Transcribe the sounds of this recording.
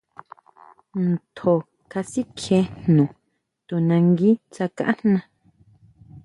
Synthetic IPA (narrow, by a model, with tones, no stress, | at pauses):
n˨t̪ʰo˨ | ka˧si˦kʰje˨˦n̥nũ˨ | t̪u˨nã˧ŋɡi˦t͡sa˧kã̰˦ʔa˦nnã˧